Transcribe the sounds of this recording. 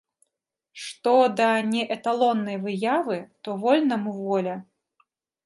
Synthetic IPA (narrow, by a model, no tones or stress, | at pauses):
ʂt̪ɔd̪ɐnʲɛʔɛt̪alˠɔnːɐjvɨjavɨt̪ɔvɔlʲnɐmuvɔlʲɐ